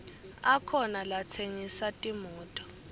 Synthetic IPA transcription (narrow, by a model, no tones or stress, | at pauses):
akʰɔnalat͡sʰeŋisatʼimuːtʼɔ̥